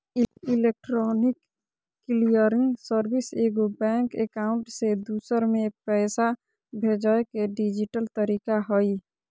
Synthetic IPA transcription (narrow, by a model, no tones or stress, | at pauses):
ɪlek̚ʈɾɔnɪkː | lijəɾɪŋɡsəɾbɪseːɡobɛːŋkḛkaːʊ̃ɳʈsed̪uːsəɾmẽpɛːsa | bʱeːd͡ʒəekeɖid͡ʒɪʈəlt̪əɾiːkaɦoi